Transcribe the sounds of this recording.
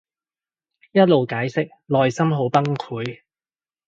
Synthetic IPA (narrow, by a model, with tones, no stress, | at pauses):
jɐ˥t̚lo˨wkaː˨˥jsɪ˥k̚lɔː˨jsɐ˥mɦo˨˥wpɐ˥ŋkʰuː˨˥j